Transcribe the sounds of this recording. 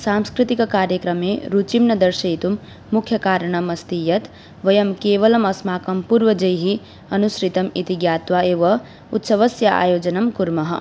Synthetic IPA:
saːmskɾit̪ikkaːɾjəkɾɐmːeɾut͡ʃimnɐd̪ɐɾʃɐjt̪umː | ukʰjɐkaːɾɳ̃ɐmɐst̪ijɐt̪ | ʋɐjɐmkeːʋɐlɐmɐsmaːkɐmpuɾʋɐd͡ʒɐjɦi | ɐnusɾit̪ɐmit̪iɡjaːt̪ʋaeːʋɐ | ut̪sɐʋɐsjɐʔa̰ːjoːd͡ʒɐnɐmkuɾmɐɦɐ̰̆

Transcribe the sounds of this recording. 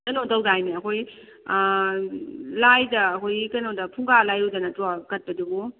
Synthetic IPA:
kɐnodawdajniɐkʰoj | lajdɐːkʰojkɐnodɐpʰuŋɡalajɾudanɐtuakɐt̚pɐduɡu

